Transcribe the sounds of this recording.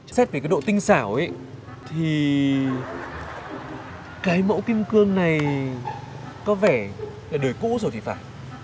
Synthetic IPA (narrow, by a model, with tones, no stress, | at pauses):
sɛ˦˥və˨˩kːaː˨˦jɗo̰˧˨t̪ï˧ŋ̟saː˧˩wʔe˨˦j | t̪ʰi˨˩ | kaː˨˦jmo̰˧˥wki˧mkɨ˧əŋna˨˩j | kɔ˨˦vɛ˧˩ | laː˨˩ɗəː˨˩jkṵ˧˥zo˨˩jt̪ʰi˨˩faː˧˩j